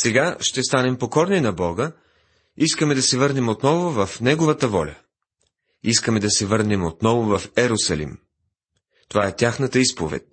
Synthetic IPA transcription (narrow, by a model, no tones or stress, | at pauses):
sɛɡaʃt̪ɛst̪anɛmpokɔɾninɐbɔɡə | iskəmɛd̪ɐsɛvɤɾnɛmot̪nɔvʊvɐfnɛɡovət̪əvɔlʲɐ̰ | iskəmɛd̪ɐsɛvɤɾnɛmot̪nɔvʊvɐfɛɾosɐlḭm | t̪ovaɛt̪ʲaxnət̪əispovɛ̰t̪̚ʲ